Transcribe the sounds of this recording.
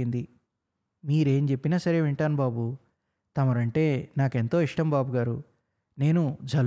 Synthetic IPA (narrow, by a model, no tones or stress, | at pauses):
ind̪i | miːɾe̞ːmt͡ʃe̞pːinaːsɐɾe̞ːʋeɳʈaːnubaːbu | t̪ɐmɐɾɐɳʈe̞ːnaːke̞nt̪o̞ːiʂʈɐmbaːbuɡaːɾu | ne̞ːnud͡ʒʱɐl